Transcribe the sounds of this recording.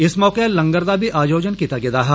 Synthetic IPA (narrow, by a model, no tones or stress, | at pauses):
ɪsmɔːqelɐ̃ŋɡəɾd̪abʱiʔaːd͡ʒoːd͡ʒənkit̪ɐɡɪd̪aːɦɐ